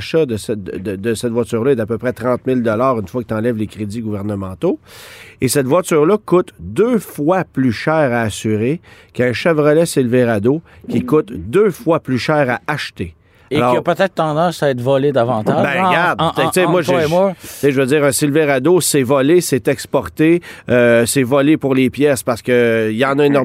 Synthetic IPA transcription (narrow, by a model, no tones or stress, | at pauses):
ʃɔd̪əsɛəd̪əd̪əsɛt̪vwat͡syʁlʌɛd̪apøpʁɛt̪ʁɑ̃t̪mɪld̪ɔlaːʁynfwakət̪ɑ̃lɛvlekʁedd͡ziɡuvɛʁnəmɑ̃t̪oesɛt̪vwat͡syːʁlʌkʊt̪d̪øfwaplyʃɛːʁaːsyʁekɛ̃ʃavʁəlɛsilveʁad̪o | kʲikʊt̪d̪øfwaplyʃɛːʁaʔaʃt̪e | aelɔɐpət̪ɛt̪̚t̪ɑ̃d̪ɑ̃saɛt̪vɔled̪avɑ̃ːt̪abɛ̃ɡaʁd̪t͡semwaʒmt͡seʒəvəd͡ziːʁɛ̃ːsilveʁad̪osɛvɔlesɛt̪ɛkspɔʁt̪eøsɛvɔlepʊʁlepjɛspaʁsə̥kəilɑ̃ːnʌenɔ